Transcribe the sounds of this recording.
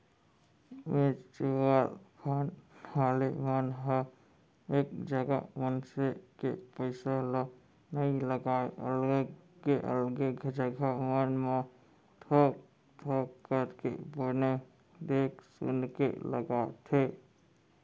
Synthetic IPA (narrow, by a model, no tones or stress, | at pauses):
met͡ʃewalpʰənhalemənɦə | ekd͡ʒəɡa̰mənsekḛpəɪsalə | nəɪləɡaeə̰lɡkeʔə̰lɡeked͡ʒəɡamənme | t̪ʰɔ | t̪ʰɔkəɾkḛbəne | d̪eksṵnkḛləɡat̪ʰe